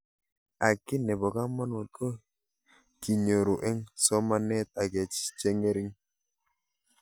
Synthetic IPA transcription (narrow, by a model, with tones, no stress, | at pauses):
a˨ki˦nɛ˨bɔ˨ka˦ma˦nu˨t̪̚ko˦ | ki˨ɲo˨ɾu˨ʔɛ˦ŋsɔ˦ma˦nɛ˦t̪̚a˨ɡɛ˨t͡ʃt͡ʃe˦ŋe˦ɾi˦ŋ